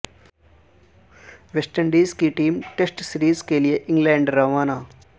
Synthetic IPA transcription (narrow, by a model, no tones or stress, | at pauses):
ʋesʈəɳɖiːzkiʈiːmʈesʈsɪɾiːzkelijeʔɪ̃ŋɡlɛ̃ːɳɖɾaːʋaːnaː